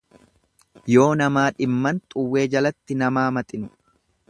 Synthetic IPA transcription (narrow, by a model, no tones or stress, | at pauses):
jo̞ːnɐmaːᶑɪmːɐnt̪ʼʊwːe̞ːd͡ʒɐlɐt̪ːɪnɐmaːmɐt̪ʼɪnʊ